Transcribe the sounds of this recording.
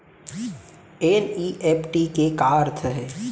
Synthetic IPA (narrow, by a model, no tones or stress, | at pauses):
eːniːʔeːpʰʈikekaːɾt̪ʰəɦɛː